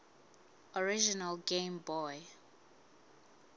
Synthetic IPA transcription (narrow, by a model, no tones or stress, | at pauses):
ɔɹid͡ʒinalɡẽmbɔj